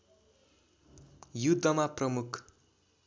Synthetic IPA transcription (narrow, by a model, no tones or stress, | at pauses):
jud̪ʱːʌmaprʌmukʰ